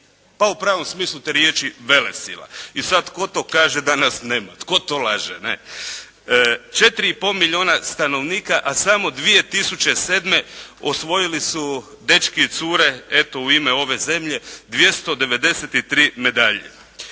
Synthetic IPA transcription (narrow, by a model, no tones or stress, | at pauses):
paupɾaːʋo̞msmiːslˠut̪eɾjet͡ʃiʋe̞lesḭla̰isad̪t̪̚t̪ko̞t̪o̞ːkaːʒed̪anasneːmat̪ko̞t̪olaːʒenḛ | t͡ʃe̞t̪ɾiipo̞lmiʎioːnast̪ano̞ʋniːkaʔasamod̪ʋije̞t̪isut͡ʃe̞se̞ːd̪me̞osʋo̞jilisu | d̪e̞t͡ʃkiit̪suːɾe̞et̪o̞uimeo̞ʋe̞ze̞mʎe̞d̪ʋje̞st̪o̞d̪e̞ʋe̞d̪e̞set̪it̪ɾiːme̞d̪aʎḛ